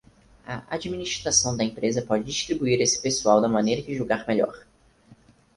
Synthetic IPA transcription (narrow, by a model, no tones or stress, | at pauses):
ɐ̰ʔa̰d͡ʒiminiʃt̪ɾasɐ̃w̃d̪ɐẽmpɾezɐpɔd͡ʒɪd͡ʒiʃt̪ɾibuiɾesɪ̥pesuawd̪ɐmɐ̃nejɾɐkɪʒuɡaɾmeʎɔ̰ɾ